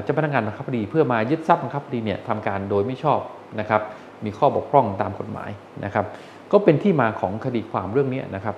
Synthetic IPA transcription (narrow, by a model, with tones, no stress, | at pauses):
t͡ɕa˨˩pʰa˧nː˦˥kŋaː˧nɾa˧kʰa˥bdiː˧pʰɯ˥˩ɐmaː˧jɯ˦˥t̪̚sa˦˥p̚a˧ŋk̚ʰba˧diː˧ni˥˩ɐt̪ʰa˧mkaː˧ndoː˧jma˥˩jt͡ɕʰɔː˥˩p̚ | na˦˥kʰa˦˥p̚ | miː˧kʰɔː˥˩bu˨˩k̚ʰɾɔ˥˩ŋt̪aː˧mko˨˩t̪̚ma̰ː˩˦j | na˦˥kʰa˦˥p̚ | kɔː˥˩pe˧nt̪ʰiː˥˩maː˧kʰɔ̰ː˩˦ŋkʰa˧diː˧kʰwaː˧mɾɯ˥˩əŋni˦˥ɐnʔa˦˥kʰa˦˥p̚